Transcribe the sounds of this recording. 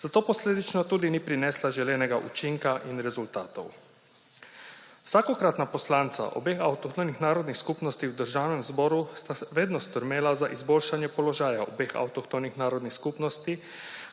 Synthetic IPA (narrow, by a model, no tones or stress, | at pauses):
z̥at̪oːposleːd̪it͡ʃnɔt̪uːd̪inipɾinɛslaʒɛlɛːnɛɡaʔṵt͡ʃiŋkaʔinɾɛzult̪aːt̪o̰w | wsaːkokɾat̪naposlaːnt̪sa̰ʔo̰bexawt̪okt̪onixnaːɾod̪nixskupnost̪iwd̪əɾʒaːwnɛmzboːɾust̪aʋeːd̪nɔst̪əɾmeːlazaʔizboːlʃanjɛpoloʒaːjao̰beːxa̰wt̪okt̪onixnaːɾod̪nixskupnost̪i